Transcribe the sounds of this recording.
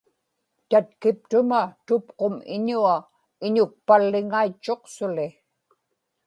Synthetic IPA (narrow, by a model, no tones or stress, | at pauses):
t̪at̪kɪp̚t̪ʊmat̪ʊpqo̞mɪ̰ɲua | ɪɲʊk̚palːɪŋait͡ʃːo̞qsʊlɪ